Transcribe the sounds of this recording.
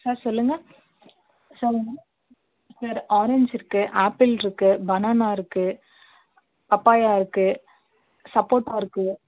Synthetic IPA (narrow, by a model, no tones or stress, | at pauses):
saːɾsɔlːɯŋɡɐ | sɔlːɯŋɡɐ | sɐɾɔːɾeɲd͡ʒɪɾɯkːɯʔaːpːɪlɪɾɯkːɯbɐnaːnaːɪɾɯkːɯ | pɐpːaːjaːɪɾɯkːɯ | sɐpːoːʈːaːɪɾɯkːɯ